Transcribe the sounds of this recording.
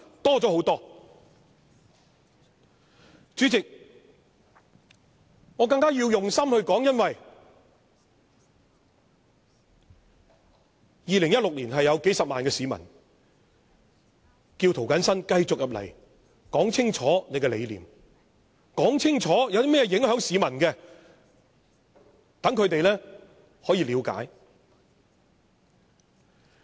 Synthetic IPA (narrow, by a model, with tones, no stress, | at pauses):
t̪ɔː˥t͡sɔː˨˥ho˨˥wt̪ɔː˥ | t͡ʃyː˨˥t͡sɪ˨k̚ | ŋɔː˨˧kɐ˧ŋkaː˥jiː˧wjʊ˨ŋsɐ˥mhɵ˧ɥkɔː˨˥ŋjɐ˥nwɐ˨j | jiː˨lɪ˨˩ŋjɐ˥t̚lʊ˨k̚liː˨˩nɦɐ˨jːɐ˨˧wke˨˥jsɐ˨p̚maː˨nkɛː˧siː˨˥mɐ̰˨˩n | kiː˧wt̪ʰo˨˩wkɐ˨˥nsɐ˥nkɐ˧jt͡sʊ˨k̚jɐ˨p̚lɐ̰˨˩j | kɔː˨˥ŋt͡sʰɪ˥ŋt͡ʃʰɔː˨˥ne˨˧jkɛː˧le˨˧jliː˨m | kɔː˨˥ŋt͡sʰɪ˥ŋt͡ʃʰɔː˨˥jɐ˨˧wd̪iː˥mɛ˥jɛ˧jɪ˨˥ŋhœː˨˥ŋsiː˨˧mɐ˨˩nkɛ˧ | t̪ɐ˨˥ŋkʰɵ˨˧ɥt̪e˨jlɛː˥ | hɔː˨˥jiː˧liː˨˧wka̰ː˨˥j